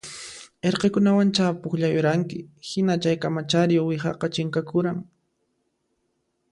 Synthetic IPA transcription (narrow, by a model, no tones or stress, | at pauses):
eɾqekʊnawant͡ʃapʊχʎajʊɾaŋkɪhɪnat͡ʃajkamat͡ʃaɾɪjowɪxɑ̰qɑt͡ʃɪŋkakʊɾaŋ